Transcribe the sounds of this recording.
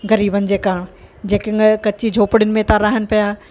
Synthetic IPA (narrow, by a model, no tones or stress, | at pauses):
ɣɐɾiːbənɪ̆d͡ʑeːkaːɽ̃ | d͡ʑeːkɪkɐt͡ɕid͡ʑʱoːpɪɽɪnɪ̆mẽt̪ãɾaːɦənɪ̆pijaː